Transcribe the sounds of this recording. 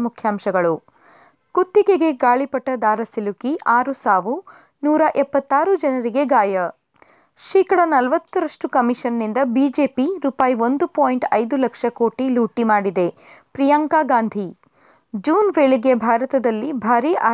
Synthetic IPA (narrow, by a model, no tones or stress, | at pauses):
mukʰjaːmʃɐɡɐɭu | kut̪ːiɡeɡe̞ɡaːɭipɐʈːɐd̪aːɾɐsilukiʔaːɾusaːʋu | nuːɾɐʔɛpːɐt̪ːaːɾud͡ʒɐnɐɾiɡe̞ɡaːjɐ | ʃiːkɐɽɐnɐlʋɐt̪ːuɾɐʂʈukɐmiʂɐnːind̪ɐbiːd͡ʒeːpiɾuːpaːjio̞nd̪upoːjɳʈɐjd̪ulɐkʂɐkoːʈiluːʈimaːɽid̪e̞ | pɾijaːŋkaːɡaːnd̪ʱi | d͡ʒuːnʋeːɭiɡe̞bʱaːɾɐt̪ɐd̪ɐlːibʱaːɾiʔaː